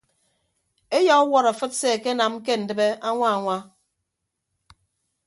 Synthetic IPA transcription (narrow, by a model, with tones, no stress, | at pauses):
e˦jɔ˨˦wɔ˦ɾa˨fɨ˦t̚se˦˨ke˦na˨m̩˦ke˦n̩˨dɨ˨be˦a˦ŋʷa˦a˨ŋʷa˦